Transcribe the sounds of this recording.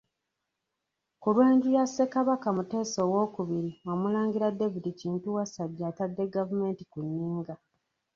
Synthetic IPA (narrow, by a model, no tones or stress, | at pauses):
kulweːɲɟijase̞kaβakamute̞ːso̞ːwo̞ːkuβiɾiwamulaːŋɡiɾade̞vidiciːntuwasaɟːaːtadːe̞ɡavume̞ːntikunːiːŋɡa